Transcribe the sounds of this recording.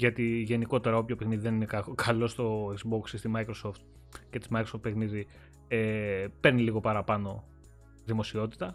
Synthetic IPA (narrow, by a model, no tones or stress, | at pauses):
ʝɐt̪iʝe̞niko̞t̪e̞ɾɐo̞pçopexniðiðe̞ninekkʰɐlo̞st̪o̞ekzbo̞ksist̪imɐikɾo̞so̞ft̪̚ | cet̪izmɐkɾosoft̪pe̞xniði | epe̞ɾniliɣo̞pɐɾɐpɐno̞ | ðimo̞sio̞t̪i̥t̪ɐ